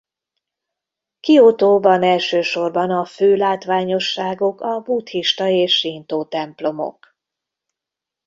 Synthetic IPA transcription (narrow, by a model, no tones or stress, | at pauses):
kiot̪oːbɒnɛlʃøːʃo̞rbɒnɒføːlaːt̪ʋaːɲo̞ʃːaːɡo̞kɒbuːt̪hiʃt̪ɒeːʃːint̪oːt̪ɛmplo̞mo̰k